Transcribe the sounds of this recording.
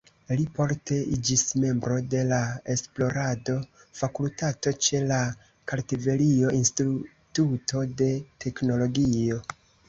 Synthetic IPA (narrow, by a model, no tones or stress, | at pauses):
lipo̞ɾte̞id͡ʒisme̞mbɾo̞de̞lae̞splo̞ɾado̞ | fakultato̞t͡ʃe̞la | kaɾtive̞lio̞ʔinstu | tutʰo̞de̞tʰe̞kno̞lo̞ɡio̞